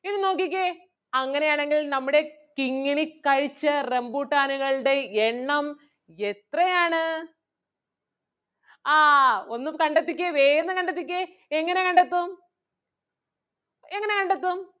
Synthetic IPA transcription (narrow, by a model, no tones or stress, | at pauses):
inɨno̞ːkːikʲːe | ɐŋːɐne̞jaːɳe̞ŋɡilnɐmːuɽe̞kiŋːiɳikːɐɻit͡ɕːɐre̞mbuːʈːaːnuɣɐɭɽe̞eɳːɐm | et̪rɐjaːɳɨ | aːo̞nːumkɐɳɖet̪ːikʲːeʋeːjɐnːɨkɐɳɖet̪ːikʲːe | eŋːɐne̞kɐɳɖɐt̪ːum | eŋːɐne̞kɐɳɖɐt̪ːum